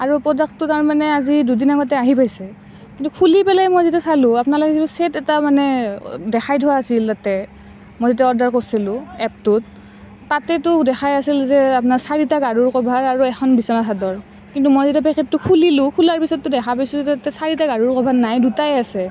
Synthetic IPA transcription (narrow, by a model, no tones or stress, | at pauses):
aɹupɹɔdakʰtʊtaɹmanɛazidudinaɡɔtɛaɦipajsɛ | kintukʰulipɛlajmɔjzetiasalʊ̃apʊnalɔkɛetusetɛtamanɛdɛxʰajdʱʊaːsiltatɛ | mɔjzet̬iaɔɹdaɹkosilʊ̃ɛp̚tʊt̚ː | atɛtʊdɛxʰajasilzɛapnaɹsaɹitaɡaɹuɹkɔbʱaɹaɹuɛxɔnbisɔnasadɔɹ | kintumɔjzetapɛkʰɛtːʊkʰulilʊ̃kʰulaɹpisɔtːʊdɛxʰapajsuatɛsaɹitaɡaɹuɹkɔbʱanajdutajɛasɛ